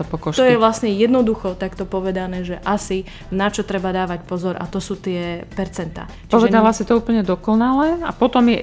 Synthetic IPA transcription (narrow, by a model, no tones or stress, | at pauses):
t̪ɔpɔkɔʃt̪ɔjɛʋlasɲɛjɛd̪nɔd̪uxɔt̪akt̪ɔpɔʋɛd̪anɛːʒɛʔasi | nat͡ʃɔt̪ɾɛbad̪aːʋacpɔzɔɾʔa̰t̪ɔsuːt̪ɪɛpɛɾt͡sɛnt̪a̰ː | pɔʒʋɛɛd̪alasit̪ɔuːpl̩ɲɛd̪ɔkɔnalɛːa̰pɔt̪ɔmjɛ